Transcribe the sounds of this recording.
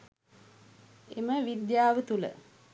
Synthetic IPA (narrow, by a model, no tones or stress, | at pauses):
eməʋid̪jaːʋət̪ulə̰